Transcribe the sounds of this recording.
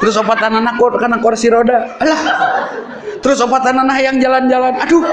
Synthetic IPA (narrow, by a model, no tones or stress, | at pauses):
t̪əɾʊsopat̪ananahkɔrkanakorsiɾodalah | t̪əɾʊsopat̪ananaɦjaŋd͡ʒaland͡ʒalanadu